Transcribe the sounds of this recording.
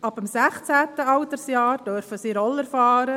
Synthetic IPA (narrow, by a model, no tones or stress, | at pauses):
ɑbəmsæχt͡sæːt̪əɑwt̪əɾsjɑːɾd̥øɾfəsiːɾɔləɾfɑːɾə